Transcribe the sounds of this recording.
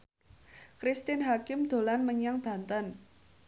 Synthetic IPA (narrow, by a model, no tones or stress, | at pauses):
kɾist̪ɪnɦakɪmd̪̥o̤lanməɲaŋb̥ä̤nt̪ən